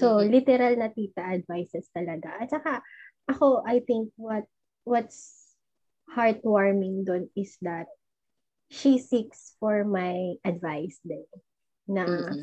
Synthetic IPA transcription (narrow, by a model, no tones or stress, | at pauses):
solɪt̪ɛɾalnɐt̪iːt̪ɐʔɐd̪vajsɛst̪ɐlɐɡaʔɐt̪̚t͡ʃɐkaʔɐko̞ʔajθɪŋk̚wɐt̪̚ | wɔt̪s | haɹt̪̚waɹmɪŋd̪onɪsd̪ɐt̪̚ | ʃisiksfɔɹmajʔɐd̪vajsd̪ɛ | nɐ